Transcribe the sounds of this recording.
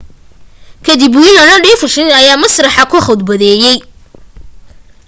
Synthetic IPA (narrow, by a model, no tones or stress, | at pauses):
kʰɐd̪ɪbʊɪnɐnɐɖiːfʊʃɪnɐjaːmɐsrɐħɑkʰʊχɔd̪̚bɐðɛːjɛj